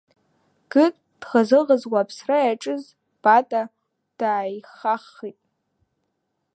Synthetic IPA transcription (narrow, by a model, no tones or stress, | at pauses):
ɡ̥ɨtʼ | d̥χazɨʁəzwapʰsrajaʈ͡ʂʼɨz | b̥atʼa | d̥aːjχaχːitʼ